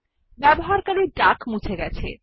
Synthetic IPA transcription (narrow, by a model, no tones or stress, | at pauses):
bɛboɦaɾkaneʈakmũt͡ɕʰeɡɛt͡ɕʰḛ